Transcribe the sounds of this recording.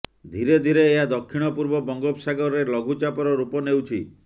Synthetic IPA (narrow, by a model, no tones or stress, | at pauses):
d̪ʱiɾed̪ʱiɾeːɦad̪ɔkʰːiɽ̃ɔpuɾbɔbɔŋɡɔpsaɡɔɾɔɾelɔɡʱut͡ʃapɔɾɔɾupɔnewt͡ʃʰi